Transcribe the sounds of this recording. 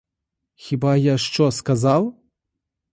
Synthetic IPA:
xʲibajaʂt͡ʂɔskazaw

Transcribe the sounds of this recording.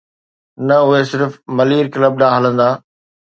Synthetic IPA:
nɐʊɦesɪɾfmɐliːɾkɪləb̚ɗaːɦələ̃nd̪aː

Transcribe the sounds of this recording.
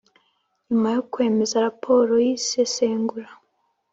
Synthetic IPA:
ɲumajokwe̞ːme̞zaɾapʰo̞ɾojiseseːŋɡuɾa

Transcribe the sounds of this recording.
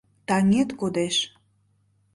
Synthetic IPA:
t̪ɑŋet̪kod̪eʃ

